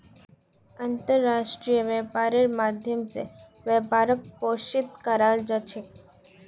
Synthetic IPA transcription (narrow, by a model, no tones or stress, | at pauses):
ant̪əɾːaʃʈɾijəʋɛpaɾeɾmad̪ʱjəmsḛ | ʋəpaɾək̚poʃit̪kəɾald͡ʒət͡ʃʰek